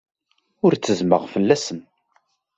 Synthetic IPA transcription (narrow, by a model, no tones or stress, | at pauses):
ʊɾt͡sːəzməʁfəlːæsən